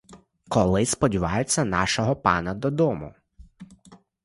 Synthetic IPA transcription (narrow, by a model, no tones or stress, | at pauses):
kɔlˠɪspɔdʲiʋɑjet͡sʲːɐnɑʃɔɦɔpɑ̰nɐd̪ɔd̪ɔmʊ̰